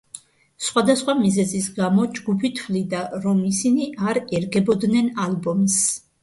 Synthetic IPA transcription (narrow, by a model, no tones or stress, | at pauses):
sχwad̪asχwamizɛzisɡamɔd͡ʒɡupʰit̪ʰwlid̪aɾɔmisiniʔaɾɛɾɡɛbɔd̪nɛnalbɔms